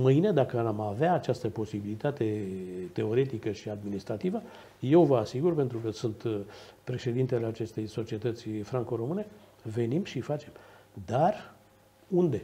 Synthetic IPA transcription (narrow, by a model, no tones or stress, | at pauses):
mɨined̪akəamaveaːt͡ʃast̪əpo̞sibilit̪at̪e̞t̪e̞o̞ɾe̞t̪ikəʃiad̪minist̪ɾat̪ivə | je̞wvəasiɡurpe̞nt̪ɾukəsunt̪pɾe̞ʃe̞d̪int̪eleat͡ʃe̞st̪e̞jso̞t͡ʃie̞t̪ət̪sʲfɾaŋko̞ɾo̞mɨne̞ | ve̞nimʃifat͡ʃe̞md̪ar | und̪e̞